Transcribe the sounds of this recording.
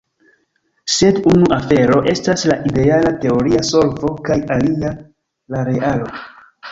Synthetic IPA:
se̞dunuʔafe̞ɾo̞ʔe̞staslaʔide̞alate̞o̞ɾiaso̞lvo̞kajalia | laɾe̞ʔalo̞

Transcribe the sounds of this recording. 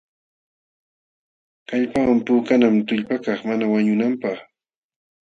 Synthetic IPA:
kaʎpawampʊːkanamt̪ʊʎpakɑχmanawaɲʊnampɑχ

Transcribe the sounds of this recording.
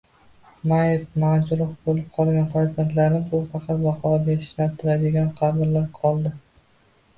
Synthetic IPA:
majefmad͡ʒɾʊfbolɪp̚qʰɒlˠɡʲanfaɾzant̪laɾnɪbʊfɑqʰɑt̪vɑqʰɒvad̪ʲeɪ̥ʃnat̪ʰɪɾad̪ɪɡʲanqʰɑbɪɾlaɾqʰɒlˠd̪ɪ

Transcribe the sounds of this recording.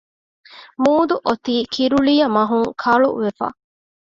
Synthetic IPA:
muːd̪uʔot̪iːkʰiɾuɭijɐmɐɦuŋkʰɐɭṵʋefa̰

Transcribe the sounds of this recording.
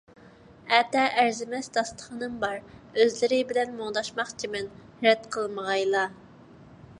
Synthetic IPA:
ɛt̪ɛʔæɾzɪmɛsd̪ɑst̪ə̥χənɨmbɑɾøzlɪɾɪbɪlɛnmoŋd̪ɑʃmɑχt͡ʃʰimɛnhɾɛt̪qʰəlˠməʁɑjlˠɑ

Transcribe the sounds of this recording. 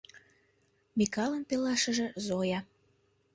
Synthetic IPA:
mikɑlənpelɑʃə̆ʒĕzojɑ

